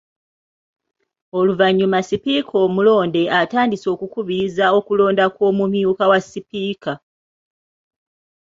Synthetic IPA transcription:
o̞luvaɲːumasipiːkʰo̞ːmulo̞ːnde̞ʔataːndiso̞ːkukuβizao̞kulo̞ːndako̞ːmumjuːkawasipiːka

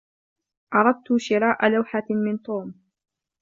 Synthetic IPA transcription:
ʔɑɾˤɑd̪̚t̪ʊʃɪɾɑːʔalawħamɪnt̪ˤuːm

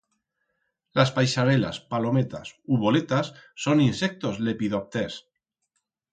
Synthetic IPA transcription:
laspajsaɾela̰spalo̞met̪a̰suβo̞let̪asːo̞ninsek̚t̪o̞zle̞piðop̚t̪es

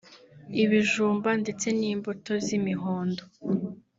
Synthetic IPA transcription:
iβiʒuːmbande̞t͡se̞niːmboto̞zimiɦoːndo

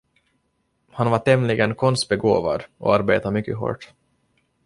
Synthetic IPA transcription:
hanvaʈɛmlɪɡənkʰɔnst̪̚bɛɡo̰ːva̰d̪ʔɔ̰aɾbeːt̪amʏkːəɦo̰ːʈ

